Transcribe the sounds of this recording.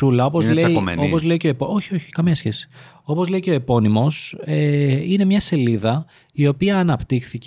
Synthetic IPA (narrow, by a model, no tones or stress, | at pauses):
ulɐo̞pozḛo̞po̞zle̞iceoepoo̞çio̞çi̥kɐmɲɐsçe̞si̥ | o̞po̞zle̞iceoepo̞nimo̞seine̞mɲɐse̞liðɐ | io̞piɐːnɐpt̪ixθic